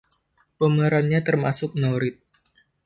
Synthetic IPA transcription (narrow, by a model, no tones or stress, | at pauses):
pəməɾanɲat̪ərmasʊk̚noɾɪt̪̚